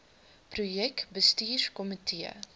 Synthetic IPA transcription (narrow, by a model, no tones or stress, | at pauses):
prujɛkbəstiːrkɔmitʰiə̰